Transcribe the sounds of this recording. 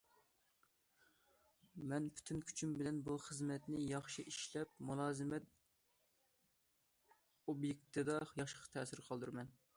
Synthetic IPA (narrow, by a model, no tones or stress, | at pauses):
mɛnpʰy̥t̪ʰynkʲʰy̥t͡ʃʰymbɪlɛnbuχəzmɛt̪nɪjɑχʃiʔiʃlɛpmulˠɑːzɨmɛt̪̚ | objek̚ʲt̪ʰɨd̪ɑjɑχʃqʰt̪ʰɛːsɪɾqʰɑlˠd̪uɾmɛn